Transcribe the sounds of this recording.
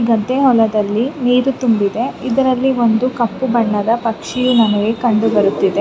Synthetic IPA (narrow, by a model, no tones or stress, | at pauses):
ɡɐt̪ːeɦɔlɐd̪ɐlːiniːɾut̪umbid̪e̞id̪ɐɾɐlːiʋo̞nd̪ukɐpːubɐɳːɐd̪ɐpɐkʂijunɐnɐɡekɐɳɖubɐɾut̪ːid̪e